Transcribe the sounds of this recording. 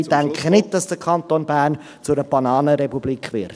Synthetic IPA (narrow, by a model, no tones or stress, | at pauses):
d̥æŋkʰχənɪt̚d̥ɑsd̥əkʰɑnt̪oːnbæːrn | t͡sʊdəb̥ɑnɑːnəɾɛpubliːkχvʋɪɾt